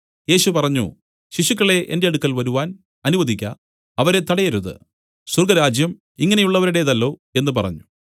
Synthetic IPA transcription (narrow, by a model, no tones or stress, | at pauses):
je̞ːɕupɐrɐɲːṵ | ɕiɕukːɐɭe̞ʔe̞̰nde̞ɐɽukːɐlʋɐɾuʋaːn | ɐnuʋɐðʱikʲːɐ̰ | ɐʋɐɾe̞t̪ɐɽɐjɐɾuðɨ̰ | surɡɐɾaːd͡ʑjɐm | iŋːɐne̞juɭːɐʋɐɾuɽe̞ðɐlːo̞ːe̞nːɨpɐrɐ̰ɲːu